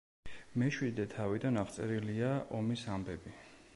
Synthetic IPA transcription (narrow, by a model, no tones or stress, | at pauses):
mɛʃwid̪ɛt̪ʰavid̪anaʁt̪sʼɛɾiliaʔɔmisambɛbi